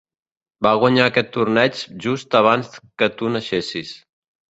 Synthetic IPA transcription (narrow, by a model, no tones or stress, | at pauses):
baɣwaɲaːkɛt̪ːurnɛt͡ʃʒust̪əβ̞anskət̪unəʃesis